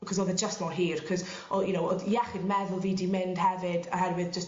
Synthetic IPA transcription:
kʰɔzɔːðəd͡ʒəstmɔrɦiːrkʰɔz | ɔjunowɔdjɛχidmɛvʊlˠviːdimɪnd̥hɛvɨdɔ̰ɦɛrwɨðd͡ʒəst

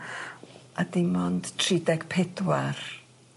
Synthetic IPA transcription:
adɪmɔnd̥tʰridɛɡ̥pʰɛdwar

